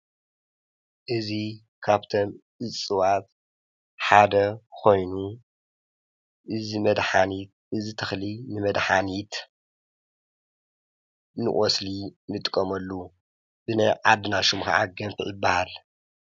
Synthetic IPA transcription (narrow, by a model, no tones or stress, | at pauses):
ʔɨzi | kʰaβt̪ʰomʔɨt͡sʼɨwat̪̚ | ħad̪ɐkʰo̞jnu | ʔɨzimɐd̪ħanit̪ | ʔɨzit̪ʰɐxlinɨmɐd̪ħanit̪ | nɨ̰ʔʼɔslinɨt̪ʼkʼːɐmɐlːu | b̥ɨnɐjʕad̪ɨnaʃumxa̰ʕaɡɐmfiʕɨbːɐhal